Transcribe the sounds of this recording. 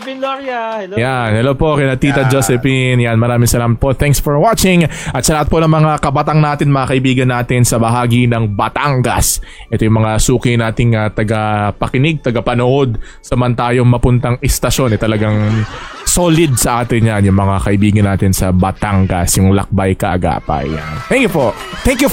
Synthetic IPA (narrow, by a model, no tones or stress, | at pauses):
janhɛlopo̞kɐnɐt̪iːt̪ɐd͡ʒosɛpinjanmɐɾaːmɪŋsɐlaːmɐt̪̚po̞t̪ɛŋksfɔɹwat͡ʃɪŋʔɐt̪sɐlaːhɐt̪̚ponɐŋmɐŋakɐbɐt̪aŋnaːt̪ɪnmɐŋakɐʔɪbiːɡɐnːaːt̪ɪnsɐbɐɦaːɡinɐŋbɐt̪aŋɡɐ̰s | ʔɛt̪ojʊŋmɐŋasuːkɪnaːt̪ɪŋat̪ɐɡɐpɐkɪnɪɡ̚t̪ɐɡɐpɐnʊʔo̞d̪̚ | sɐmɐnt̪aːjoŋmɐpʊnt̪ɐŋɛst̪ɐʃo̞nɛt̪ɐlɐɡaŋsoːlɪd̪̚sɐʔaːt̪ɪnjanjʊŋmɐŋakɐʔɪbiːɡɐnːaːt̪ɪnsɐbɐt̪aŋɡɐ̰sjʊŋlɐ̰k̚bajkɐʔɐ̰ɡa̰ːpɐ̰jant̪ɛŋkjupo | t̪ɛŋkju